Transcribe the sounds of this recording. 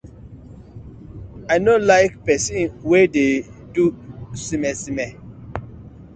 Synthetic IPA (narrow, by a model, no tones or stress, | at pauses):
ajnolaɪkpɛsĩnwɛdedusimɛsĩmɛ